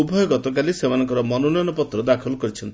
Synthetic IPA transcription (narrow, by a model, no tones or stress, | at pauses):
iubʱɔjɔɡɔt̪ɔk̬alisemanɔŋkɔɾɔmɔnɔnɔjɔnɔpɔt̪ɾɔd̪akʰɔlkɔɾit͡ʃʰɔnt̪